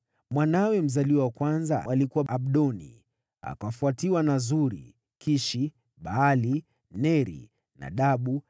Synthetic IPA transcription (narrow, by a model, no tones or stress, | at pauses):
mwanawɛm̩zaliwawakwanzaalikuwaʔaɓɗɔnḭ | a̰kafuatiwanazuɾḭ | kʰiʃi | ɓaali | nɛɾḭ | na̰ɗaɓu